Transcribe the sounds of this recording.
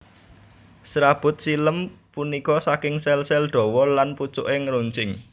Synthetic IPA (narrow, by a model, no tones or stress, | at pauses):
sɾab̥ʊ̤t̪̚siləmpunikɔsakɪŋsɛlsɛlɖ̪̥ɔ̤wɔlanput͡ʃʊ̰ʔeŋɾuɲt͡ʃɪŋ